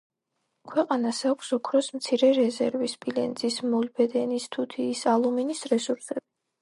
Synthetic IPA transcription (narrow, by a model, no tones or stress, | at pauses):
kʰwɛqʼanasakʷʰsɔkʰɾɔsmt̪sʰiɾɛɾɛzɛɾvispʼilɛnd̪zismɔlbɛd̪ɛnist̪ʰut̪ʰiːsalˠuminisɾɛsuɾsɛbi